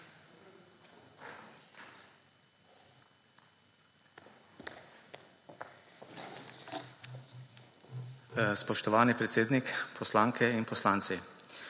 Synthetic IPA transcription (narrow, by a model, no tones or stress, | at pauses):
spɔʃt̪ɔʋaːnipɾɛt̪seːd̪nikpʰɔslaŋkʰɛinpɔslaːnt̪si